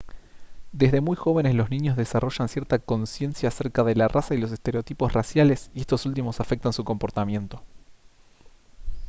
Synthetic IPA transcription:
d̪e̞zðe̞mujxo̞β̞e̞nezlo̞znĩɲo̞zðe̞saro̞ʃansjeɾt̪ako̞nsje̞nsjaːse̞ɾkaðe̞larʔasailo̞s̬est̪eɾeo̞t̪ipo̞srasjale̞sie̞st̪o̞sult̪̬imo̞safe̞k̚t̪ansuko̞mpo̞ɾt̪amje̞nt̪o̞

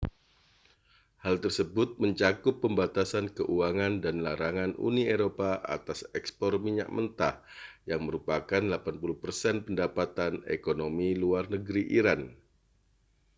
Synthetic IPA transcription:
halt̪ərsəbʊt̪̚məɲt͡ʃakʊpːəmbat̪asankəʔuaŋandanlaɾaŋanṵnieɾopaʔa̰t̪asɛkspɔrmiɲa̰ʔ̚mənt̪a̰hjaŋməɾupakanlapanpulʊhpərsɛnpəndapat̪anḛkonomiluarnəɡɾiʔiɾan

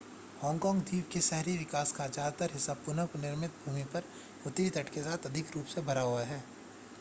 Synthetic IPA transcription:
hɔ̃ːŋkɔ̃ːŋɡd̪ʱiːʋkesɛɦɾiʋɪkaːskad͡ʒaːd̪ət̪əɾɦɪsaːb̚pʊnəkonɪɾmɪt̪̚bʱuːmipɐɾ | ʊt̪ɾit̪ɐʈkesaːt̪ɐd̪ʱɪkɾuːpsebʱɐɾaɦʊaɦɛː

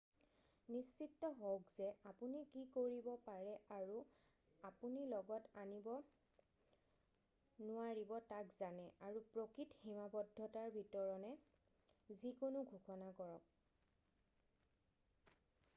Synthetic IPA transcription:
nist͡ʃitːɔɦowkzɛapunikikoɹibɔpaɹɛaɹu | apunilɔɡɔtanibɔ | nʊwaɹibɔtakzanɛʔaɹupɹokɹitximabɔdʱːɔtaɹbʱitɔɹɔnɛ | zikonʊɡʱuxɔnakɔɹɔk̚

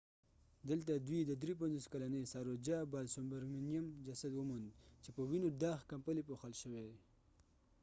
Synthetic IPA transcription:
d̪əlt̪ad̪wid̪əd̪ɾip̬anzoskalanesaɾod͡ʒabɑlsʊmbaɾminijamd͡ʒasad̪wəmund̪t͡ʃepəwinoɖɑxkampəlepoxəlʃəwe

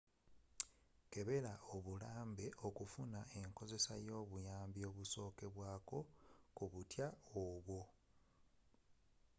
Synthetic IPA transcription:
ke̞βe̞lao̞βulaːmbe̞ʔo̞kufunae̞ŋko̞ze̞sa̰jo̞ːβujaːmbio̞ːβuso̞ːke̞βwaːko̞kuβutjaoβwo̞

